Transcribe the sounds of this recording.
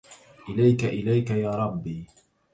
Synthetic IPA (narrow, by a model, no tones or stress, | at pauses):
ʔɪlajkaʔɪlajkajaːɾˤɑbːiː